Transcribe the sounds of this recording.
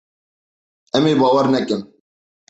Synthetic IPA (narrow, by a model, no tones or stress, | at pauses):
ɛmeːbɑːwɛɾnɛkɨm